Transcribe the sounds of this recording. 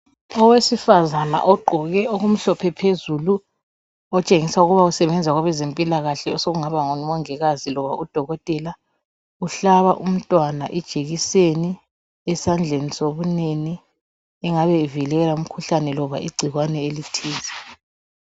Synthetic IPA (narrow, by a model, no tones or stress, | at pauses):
ɔwesifazana̰ʔɔɡ͡ǃʱɔɣɛoɣum̩ɬɔpʰɛpʰezulu | ɔt͡ʃʼeŋisauɣuβausɛβɛnd͡zʱaɣaβɛzempʼilaɣaɬɛɔsoɣuŋaβaŋɔnɔmɔŋɛɣazilɔβaud̥ʱɔɣɔtʼɛla | uɬaβaʔum̩tʼwana̰ʔɛd̥ʒ̥ʱeɣiseni | ɛsand͡ɮʱenisoβuneni | ɛŋaβɛvilɛlaum̩kʰuɬanɛlɔβa̰ʔiɡ͡ǀʱiɣwanɛelitʰiːzɛ